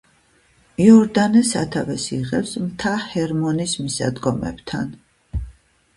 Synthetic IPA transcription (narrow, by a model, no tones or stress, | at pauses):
iɔɾd̪anɛsa̰t̪ʰavɛsiʁɛpsmt̪ʰahɛɾmɔnismisa̰d̪ɡɔmɛ̰bt̪ʰa̰n